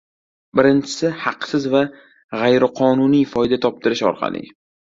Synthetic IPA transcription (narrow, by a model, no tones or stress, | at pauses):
bɪɾɪnt͡ʃʰɪ̥sɪhɑqsɪzva | ʁajɾɪqʰɒnʊnijfɒjd̪at̪ʰɒp̚t̪ʰɪɾɪʃɒ̰ɾqʰɑ̰lˠɪ̰